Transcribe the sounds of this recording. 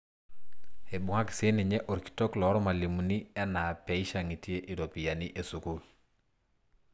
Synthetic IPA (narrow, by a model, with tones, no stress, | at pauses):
e˨bu˨ŋa˦kse˦nɛ˨ɲɛ˦ʔo˨ɾki̥to˦klɔ˨˦ɾɔ˦ma˨li˨mu˨ni˦ɛ˦na˨pɛ˨i˦ʃa˨ŋi˨ti˦e˦ʔi˨do˨pi˨ja˨ni˦ʔe˨su˨kul